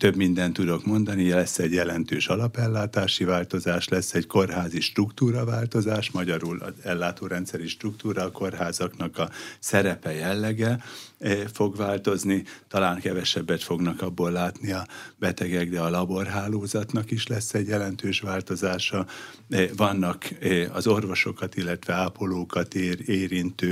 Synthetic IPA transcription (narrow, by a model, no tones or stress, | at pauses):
t̪ø̞bmind̪ɛnt̪ːud̪o̞kmo̞nd̪ɒnilɛsːɛɟjɛlɛnt̪øːʃɒlɒpɛlːaːt̪aːʃivaːlt̪o̞zaːʃlɛsːɛɟko̞rɦaːziʃt̪rukt̪uːɾɒvaːlt̪o̞zaːʃmɒɟɒɾulɒ̰zɛlːaːt̪oːɾɛnt̪sɛɾiʃt̪rukt̪uːɾɒːko̞rɦaːzɒknɒkɒsɛɾɛpɛjɛlːɛɡɛ | fo̞ɡvaːlt̪o̞znit̪ɒlaːŋkɛvɛʃɛbːɛt̪fo̞ɡnɒkɒbːolːaːt̪niɒbɛt̪ɛɡɛɡd̪ɛɒlɒbo̞rɦaːloːzɒt̪nɒkiʃlɛsːɛɟjɛlɛnt̪øːʃʋaːlt̪o̞zaːʃɒ | vɒnːɒkɒzo̞rvo̞ʃo̞kɒt̪ilːɛt̪ʋɛaːpoloːkɒt̪ːeːɾint̪øː